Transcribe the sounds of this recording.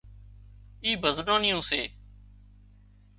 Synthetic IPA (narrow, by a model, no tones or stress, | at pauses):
iːbʱəznãːnɪjõːseː